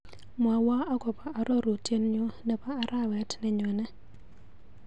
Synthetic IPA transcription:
mwa˨wa˦a˦ɡɔ˨pa˨a˨ɾɔ˦ɾo˨tje˦nɲo˦nɛ˨paː˦˨ɾa˦˨wɛ˨˦tnɛ˨ɲwɛ˨nɛ˦

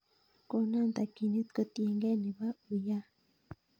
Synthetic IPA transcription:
ko˨na˦nt̪a˨ki˨ni˦t̪ko˨t̪i˨e˨ŋɡe˦ni˨βa˦u˨ja˦

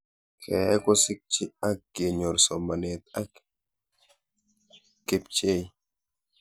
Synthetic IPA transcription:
kʰɛː˨˦kɔ˦si˦k̚t͡ʃi˦a˦k̚ɡ̥e˨ɲo˨ɾsɔ˨ma˨net̪a˦k | kːe˨p̚t͡ʃe˦˨j

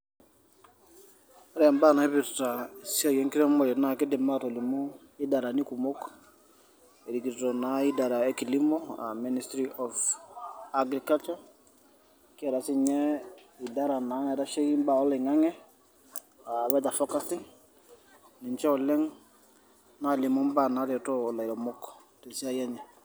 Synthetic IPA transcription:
ɾɛ˨mba˦˨na˨i˦pi˨ɾta˨si˦a˨je˦ŋki˦ɾɛ˦mo˨le˨na˨ki˦di˨ma˦to˨li˨mu˦ | i˦da˨ɾa˨ni˦ku˨mo˦k | e˨ɾi˨ki˨ɾto˨na˨i˦da˨ɾa˨e˦ki˨li˦moa̰˨mi˦ni˨stɾiʔɔf | aɡɾi˨ka˦lt͡ʃɔɾ | kɛ˨ɾa˨si˦ɲɛ˦i˨da˦ɾa˨na˨˦ɛ˨ɾa˦ʃe˦i˦mba˨ɔ˦le˨ŋa˦ŋɛ˦ | a˨βɛ˦ta˨fɔ˦ka˦si˦ŋ | ni˨ɲt͡ʃɛ˦ɔ˨lɛ˦ŋ | na˦˨li˨mɔ˦mba˦na˨˦ɾɛ˨tɔ˦˨la˨i˨ɾɔ˨mɔ˦k | te˨si˦a˦ja˦ɲɛ˨

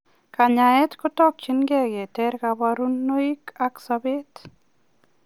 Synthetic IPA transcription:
ka˨ɲa˨ɛ˦tkɔ˦tɔ˦k̚t͡ʃɪ˦nɡɛ˦ɡe˨tɛ˦ɾkabaɾu˦nːo˦i˦ka˦ksabe˦t

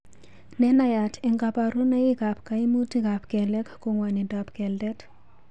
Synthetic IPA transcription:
nɛ˦na˦ja˨ti˨ŋɡa˨pa˨ɾu˦na˦ji˦ka˨pka˨i˦mu˦ti˦ka˨pkɛ˨lɛ˦kko˨ŋwa˨ni˨da˨pkɛ˨ldɛ˦t

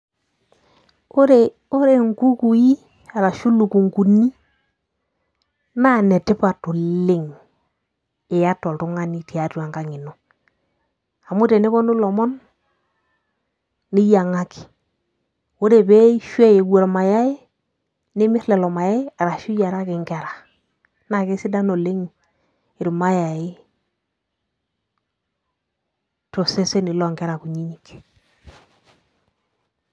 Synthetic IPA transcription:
o˦ɾe˨ | o˦ɾe˨ŋku˦ku˨ji˦ | a˨ɾa˨ʃu˦lu˨ku˨ŋku˨ni˦ | na˦˨nɛ˨tɪ˦pa˨tu˨lɪ˦ŋ | e˨ja˦to˨ltu˦ŋa˦ni˦ti˨a˨tu˦a˨ŋka˦ŋɪ˨nɔ˨ | a˨mu˦te˨ne˦βɔ˦nu˦lɔ˨mɔ˦n | i˦ja˨ŋa˦ki̥˨ | wo˦ɾe˨be˦i˦ʃwɛ˦je˨ɡwo˨ɾma˨ja˦e˦ | nɪ˦mɪ˦ɾlɛ˨lɔ˨ma˨ja˦ɪ˦a˨ɾa˨ʃu˦ja˨ɾa˦kɪ˨ŋɡɛ˨ɾa˨ | na˨ke˦sɪ˦da˦no˨le˦ŋu˨ | ɪ˨ɾu˨ma˦ja˨ɪ˦ | to˨se˦se˦ni˨lɔ˨ŋɡɛ˦ɾa˨ku˨ɲi˦ɲi˨k

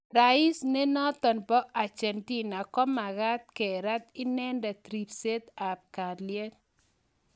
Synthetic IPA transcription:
ɾa˨ɪ˦sne˦nɔ˦t̪ɔ˨npɔ˦ʔa˨t͡ʃɛ˨nti˦na˨kɔ˦ma˨ɣa˦t̪̚ke˨ɾa˦t̪ɪ˦nɛ˦ndɛ˨t̪ɾi˨pse˦t̪a˨p̚ka˨dlje˦t̪

